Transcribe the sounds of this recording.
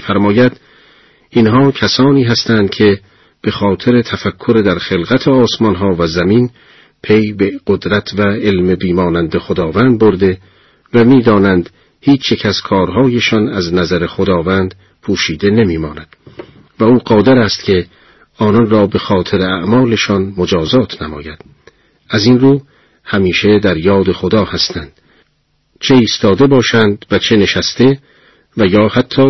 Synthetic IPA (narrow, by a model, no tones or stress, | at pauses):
fæɾmɒːjæd̪̥ | inɦɒːcʰæsɒːniːɦæst̪ænd̪̥̚cʰe̞ | b̥e̞xɒːt̪ʰe̞ɾet̪ʰæfækʰːoɾed̪æɾχe̞lɣæt̪ʰeɒːsmɒnɦɒːvæzæmin | pʰe̞jbeɢ̥od̪ɾæt̪ʰvæelmebiːmɒːnænd̪e̞χod̪ɒːvænd̪̚boɾd̪e̞ | væmiːd̪ɒːnænd̪ | hiːt͡ʃʰjecʰæz̥kʰɒːɾɦɒːjeʃɒnæznæzæɾe̞xod̪ɒːvænd̪̥ | pʰuːʃiːd̪e̞ne̞miːmɒːnæd̪̥ | væuːɢɒːd̪eɾæst̪kcʰe̞ | ɒːnɒnrɒːbe̞xɒːt̪ʰe̞ɾeæʔmɒːle̞ʃɒnmod͡ʒɒːzɒːt̪ʰnæmɒ̰ːjæd̪̥ | æzinruː | hæmiːʃed̪æɾjɒːd̪e̞xod̪ɒːhæst̪ʰænd̪̥ | t͡ʃʰe̞iːst̪ɒːd̪e̞bɒːʃænd̪væt͡ʃʰe̞ne̞ʃæst̪e̞ | væjɒːhæt̪ʰːɒː